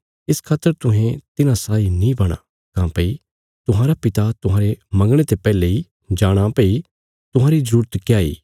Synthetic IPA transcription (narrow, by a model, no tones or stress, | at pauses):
ɪskʰaːt̪ːəɾt̪ʊɦẽt̪ɪnãsaːinĩbɐɽ̃a̰ | kãːpɐi | t̪ʊɦãːɾapɪt̪at̪ʊɦãːɾemɐ̃ŋɡɽ̃et̪epɛːlei | d͡ʒaːɽ̃apɐi | t̪ʊɦãːɾizɐɾuːɾət̪kjaːḭː